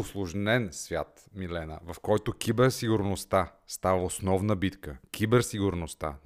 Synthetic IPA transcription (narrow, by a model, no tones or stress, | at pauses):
ʊslˠʊʒnɛnsvʲja̰t̪ | milɛnə̰vɐfkɔjt̪ʊkʲibɛɾsiɡʊɾnost̪a | st̪avəosnɔvnəbit̪kəkʰʲibɛɾsiɡʊɾnost̪a̰